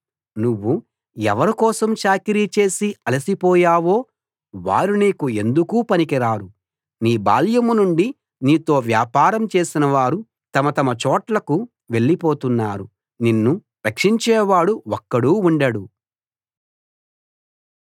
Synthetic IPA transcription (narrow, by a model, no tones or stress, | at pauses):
nuʋːu | ɛʋɐɾikɔːsɐmʃaːkiɾit͡ʃe̞ːsiɐlɐsipɔːjaːʋo̞ː | ʋa̰ːɾuniːkue̞nd̪ukuːpɐnikiɾaːɾu | niːba̰ːljɐmunuɳɖi | niːt̪o̞ːʋjaːpaːɾɐmt͡ʃe̞ːsinɐʋaːɾu | t̪ɐmɐt̪ɐmɐt͡ʃɔːʈlɐku | ʋe̞ɭːipoːt̪unːaːɾu | ninːupɾɐkʂiɲt͡ʃɛːʋaːɽuɔkːɐɽuːuɳɖɐɽu